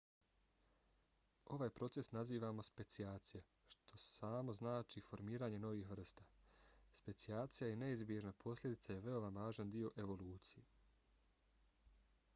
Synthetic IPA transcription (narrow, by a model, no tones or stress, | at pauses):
o̞ʋaːjpɾo̞t̪se̞snaziːʋamo̞spe̞t̪siaːt̪sije | ʃt̪ʰo̞saːmo̞znaːt͡ʃifo̞ɾmiːɾaːɲe̞no̞ʋiːxʋr̩st̪aspe̞t̪siaːt̪sijajene̞izbjeʒnapʰo̞slʎʲed̪it̪saje̞ʋe̞o̞ʋaʋaːʒand̪io̞ʔe̞ʋo̞luːt̪sije